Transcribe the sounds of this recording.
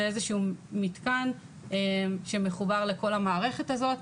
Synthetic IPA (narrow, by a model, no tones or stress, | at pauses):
ezeʃuumit̪kan | emʃe̞me̞χubaʁle̞ko̞lamaːʁe̞χe̞tazo̞t